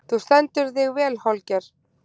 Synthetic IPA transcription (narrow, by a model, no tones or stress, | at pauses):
θust̪ɛnt̪ʏɾθɪɣvɛːlhɔlcɛɾ̥